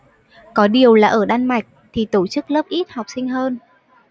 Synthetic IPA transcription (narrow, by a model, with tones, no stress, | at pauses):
kɔ˨˦ɗi˨˩əwlaː˨˩ʔəː˧˩ɗaː˧nma˨˩jk̟̚t̪ʰi˨˩t̪o˧˩t͡ɕɨ˦˥k̚ləː˦˥p̚ʔi˦˥t̚ha˨˩wk͡p̚sï˧ŋ̟ɦəː˧n